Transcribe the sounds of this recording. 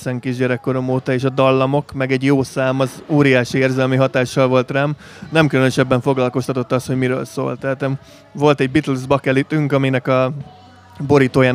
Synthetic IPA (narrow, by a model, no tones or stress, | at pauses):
sɛŋkiːʒɟɛɾɛkːo̞ɾo̞moːt̪ɒeːʃɒd̪ɒlːɒmo̞kmɛɡɛɟjoːsaːmɒzuːɾijaːʃieːrzɛlmiɦɒt̪aːʃːɒlvo̞lt̪rɛm | nɛmkylønøʃɛbːɛɱfo̞ɡlɒlko̞st̪ɒt̪o̞t̪ːɒstho̞ɟmiɾø̰ːlso̰ːlt̪ɛːt̪ɛm | vo̞lt̪ɛɟ̚bit̪ulzbɒkɛlit̪yŋkɒminɛkɒ | bo̞ɾiːt̪oːjaːn